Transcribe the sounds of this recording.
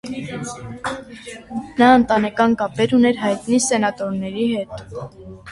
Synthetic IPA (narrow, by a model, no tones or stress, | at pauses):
nɑənt̪ɑnɛkɑnkɑpɛɾunɛɾɦɑjt̪nisɛnɑt̪ɔɾnɛɾihɛt̪